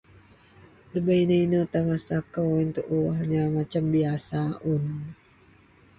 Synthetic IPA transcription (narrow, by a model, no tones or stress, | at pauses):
dəbəinəinət̪aŋasakəwint̪uʔuɦaɲamat͡ʃambiasaʔun